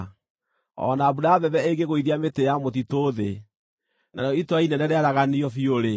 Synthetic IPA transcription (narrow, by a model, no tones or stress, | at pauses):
ɔ̰naːβuɾaːβɛβɛeŋɡeɣoiðiametejamot̬itoðe | na̰ɾeɔitwainɛɾɛɾeaɾaɣaniɔfioɾe